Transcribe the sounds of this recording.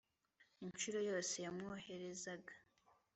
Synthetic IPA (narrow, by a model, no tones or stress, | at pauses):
iɲt͡ʃuɾo̞jo̞ːse̞jamŋohe̞ɾe̞zaɡḁ